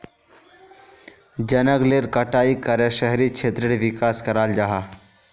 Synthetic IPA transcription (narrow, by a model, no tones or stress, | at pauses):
d͡ʒɐnəɡleːɾkɐʈaːikəɾeʃɛɦɾikt͡ʃʰeːt̪ɾɪɽʋɪkaːskɐɾaːld͡ʒaɦaː